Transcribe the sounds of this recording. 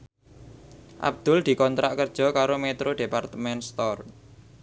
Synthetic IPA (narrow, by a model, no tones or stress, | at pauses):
ʔa̰b̚d̪̥ʊ̤ld̪̥i̤kɔnt̪ɾaʔkərd̥ʒ̥ɔ̤kaɾomet̪ɾoɖ̥e̤part̪əmɛnst̪ɔr